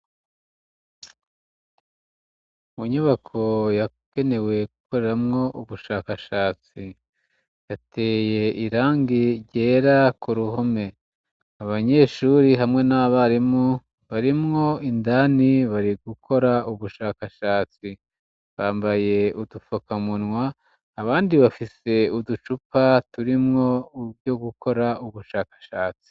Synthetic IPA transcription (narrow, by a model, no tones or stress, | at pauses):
muɲuβakʰo̞ja | ke̞ne̞we̞ɡukʰo̞ɾe̞ɾamŋo̞ʔuβuʃaːkaʃaːt͡si | jatʰe̞ːje̞ʔiɾaːŋɡiɾɟe̞ːɾakuɾuɦo̞me̞ | aβaɲe̞ːʃuːɾiɦamŋe̞naβaɾimu | βaɾimŋo̞indaniβaɾiɡukʰo̞ɾauβuʃaːkaʃaːt͡si | βaːmbaje̞udufokamunŋwaː | βaːndiβafise̞udut͡ʃupatuɾimŋo̞ubɟo̞ɡuko̞ɾauβuʃaːkḁʃaːt͡si̥